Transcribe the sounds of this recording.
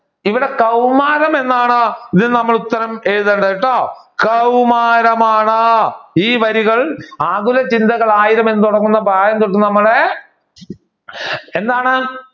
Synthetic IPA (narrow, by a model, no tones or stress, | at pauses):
iʋiɽe̞kɐwmaːɾɐme̞nːaːɳɐiðinɨnɐmːɐɭut̪ːɐɾɐmeːɻuðeɳɖɐjiʈːoːkɐwmaːɾɐmaːɳaiːʋɐɾiɣɐɭaːɣulɐt͡ɕind̪ɐɣɐɭaːjiɾɐme̞nːɨt̪uɽɐŋːunːɐbʱaːjɐnt̪oʈːɨnɐmːɐɭe | end̪aːɳɨ